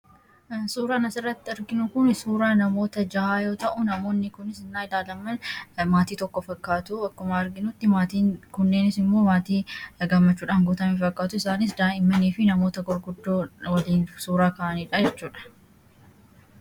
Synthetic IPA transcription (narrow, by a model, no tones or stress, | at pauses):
suːɾaːnɐsɪrːɐt̪ːɪɐɾɡɪnʊkʊnsuːɾaːnɐmo̞ːt̪ɐd͡ʒɐhaːjo̞ːt̪ɐʔʊnɐmo̞ːnːɪkʊnɪsɪnːaːɪd̪aːlɐmːɐnmaːt̪iːt̪ɔkːɔfɐkːaːt̪ʊɐkːɐmaːɐɾɡɪnʊt̪ːɪmaːt̪iːnkʊnːe̞ːnɪsɪmːoːmaːt̪iːɡɐmːɐt͡ʃːuːᶑaːŋɡʊːt̪ɐmiːfɐkːaːt̪ʊɪsaːnɪsd̪aːnɪmːɐniːfɪnɐmoːt̪ɐɡɔɾɡʊd̪ːoːwɐliːnsuːɾaːkɐːʔɐniːᶑɐd͡ʒɛt͡ʃːuːᶑɐ̥